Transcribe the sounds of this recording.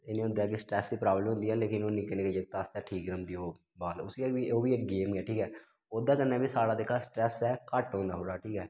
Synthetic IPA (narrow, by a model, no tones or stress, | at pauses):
enĩːʊnd̪ɛːkisʈɾɛːsːiːpɾaːbləmɦʊ̃nd̪iːɛːleːkɪnoːnɪkəɽeːked͡ʒeːk̚t̪ast̪ɛːʈʰiːkɾəmd̪iːoː | baːlʊsiɛbioːbiːeːk̚ɡeːmɡɛːʈʰiːkɛː | oːd̪aːkəɾnɛːbʱiːsaːɽaːd̪ekʰːaːsʈɾɛːsɛːkəʈɦõːnd̪aːɦoːɽaːʈʰiːkɛː